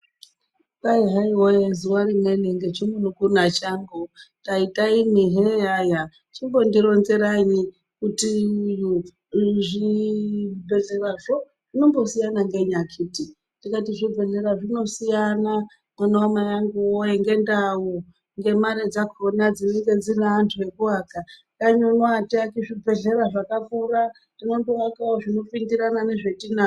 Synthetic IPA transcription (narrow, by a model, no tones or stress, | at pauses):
kaiɦaiwojezuwaɾimweneŋɡet͡ʃimunokunat͡ʃaːmbotaitʼaimiɦejaja | t͡ʃimbo̞ndiɾonzeɾani | kutiuju | ʐi | beɮeraʐo | ʐ̥inombo̞sijanaŋɡe̞ɲakʰiti | tikatiʐib͡vʱe̞ɮe̞ɾaʐino̞sijana | mwanaomajaŋɡuojeŋɡe̞ndau | ŋɡe̞maɾed͡zakʰonad͡zineŋɡe̞d͡zineantʰue̞kuwaka | kaɲonwatiakiʐib͡ve̞ɮe̞ɾaʐakakuːra | tino̞mbowakawoʐino̞pindiɾanane̞ʐe̞tina